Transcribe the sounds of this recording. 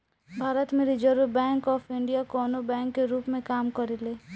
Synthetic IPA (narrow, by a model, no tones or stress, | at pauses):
bʱaːɾət̪mẽɾid͡ʒəɾbɛ̃ːŋkɔːfʰɪ̃ɳɖijakɔːnobɛ̃ːŋkːeɾuːpmẽkaːmkɐɾileː